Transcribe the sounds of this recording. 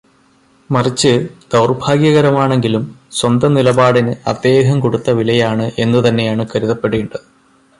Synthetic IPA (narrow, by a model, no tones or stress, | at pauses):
mɐrit͡ɕːɨd̪ɐwrbʱaːɡjɐɣɐɾɐmaːɳe̞ŋɡilumswɐnd̪ɐnilɐbaːɽinɨɐ̰d̪ːe̞ːɦɐmkoɽut̪ːɐʋilɐjaːɳɨʔe̞nːut̪ɐnːe̞jaːɳɨkɐɾiðɐpːe̞ɽeːɳɖɐðɨ